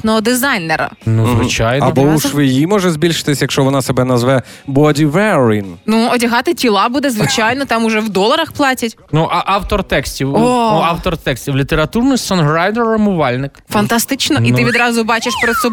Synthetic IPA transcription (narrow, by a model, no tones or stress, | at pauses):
nɔɦɔd̪ɪzɑjneɾɐ̰nuzʋɪt͡ʃɑjnɐɔbɔuʃʋɪjimɔʒɛzʲbʲilʲʃɪ̥t̪ɪsʲjɐkʃt͡ʃɔʋɔnɑsebɛnɐzʋɛ | bɔdʲiʋɛɾinnuɔdʲɐɦɑt̪ɪtʲilˠɑbud̪ɛzʋɪt͡ʃɑjnɔt̪ɑmʊʒɛwd̪ɔlˠɐɾɐxplˠɑtʲɐtʲnuʔɑʔɑwt̪ɔrt̪ɛksʲtʲiwɔɑwt̪ɔrt̪ɛksʲtʲiwlʲit̪eɾɐt̪urnʊjsɔnɦrajd̪ɐrɔmʊʋɑlʲnɪkfɐnt̪ɐst̪ɪt͡ʃnɔʔiɪʋʲid̪ɾɑzʊbɑt͡ʃɪʃpɾɔt̪sɔ